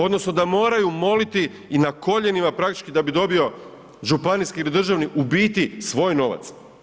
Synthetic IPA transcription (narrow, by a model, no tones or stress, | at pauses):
o̞d̪no̞snod̪amo̞ːɾajumo̞lit̪iː | nako̞ʎe̞nimapɾakt̪i̥t͡ʃkid̪abid̪o̞bio̞ | ʒupaniskiilid̪r̩ʒaʋniʔubiːt̪isʋo̞ːjno̞ʋa̰t̪s